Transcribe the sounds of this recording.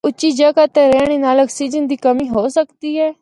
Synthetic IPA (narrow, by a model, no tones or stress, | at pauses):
ʊt͡ʃːʃiːd͡ʒəkaːt̪ẽːɾɛːɽ̃eːnaːləksiːd͡ʒənd̪iːkəmĩːɦoːsəkd̪iːɦɛː